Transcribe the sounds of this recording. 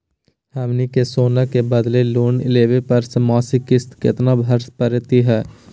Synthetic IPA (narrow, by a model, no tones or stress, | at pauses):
hɛːmnikesoːnakebəd̪leluːnɪ̰leːʋepɐɾsəmaːsikɪst̪kɪ̰t̪nabʱəɾspəɾɪt̪iɦɛː